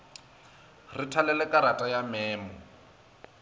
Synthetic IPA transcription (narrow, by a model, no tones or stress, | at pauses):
ritʰalɛlɛkʼaɾatʼajamɛːmɔ